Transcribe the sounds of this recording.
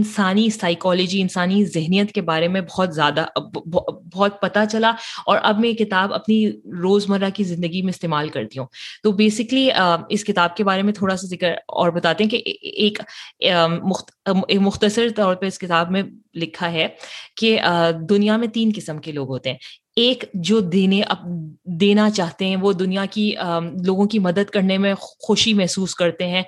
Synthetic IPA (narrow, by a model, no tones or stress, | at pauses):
ɪnsaːnisaːɪkɔːlɪd͡ʒiɪnsaːnizɪɦnijət̪kebaːɾemẽbɔɦɔt̪zjaːd̪abbɔːt̪̚pɐt̪at͡ʃɐlaɔːɾʔɐbmẽekɪt̪aːbɐ̰pniɾoːzmɐɾakizɪ̃nd̪əɡimẽɪst̪eːmaːlkɐɾt̪iɦũːt̪oːbeːsɪkliəːɪskɪt̪aːb̚kebaːɾemẽt̪ʰoːɽasazɪkəɾɔ̰ːɾbɐt̪aːt̪ẽɦɛ̃keʔeːkː | mʊxmʊxt̪əsəɾt̪ɔːɾ̚pɐɾɪskɪt̪aːbmẽlɪkʰaɦɛkeəd̪ʊnijamẽt̪iːnkɪsəmkeloːɡɦoːt̪eɦɛ̃ː | eːkd͡ʒoːd̪eːneʔɐ̰b̚d̪eːnat͡ʃaːɦt̪eɦɛ̃ʋod̪ʊnijakiəloːɡõkimɐd̪əd̪kɐɾnemẽxʊʃimɛɦsuːskɐɾt̪eɦɛ̃ː